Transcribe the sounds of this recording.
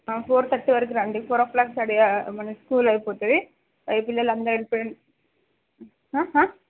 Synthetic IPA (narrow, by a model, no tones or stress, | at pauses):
apʰoːɾt̪ʰɐʈːiʋɐɾɐk̬iɾaːɳɖipʰoːɾɔːfplaːksɐɽimɐnɐskuːlɐjipɔːt̪ud̪i | pɐjpilːɐlːɐnd̪ɐɾeɽipɔjɐɳ | ɦaːɦãː